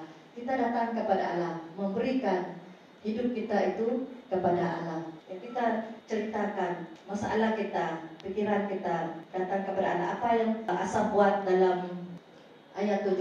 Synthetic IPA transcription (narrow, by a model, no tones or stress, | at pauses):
kit̪adat̪aŋkəpada̰a̰lahməmbəɾikan | hidʊp̚kit̪ait̪ukəpadaa̰lahjaŋkit̪at͡ʃəɾit̪akanmasaʔa̰lahkit̪apikiɾankit̪adat̪aŋkəpada̰alaapajaŋʔa̰sabuat̪̚dalam | ʔajat̪ːu